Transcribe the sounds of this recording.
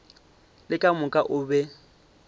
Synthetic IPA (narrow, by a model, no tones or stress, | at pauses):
lɪkʼamʊkʼaʔʊbɛ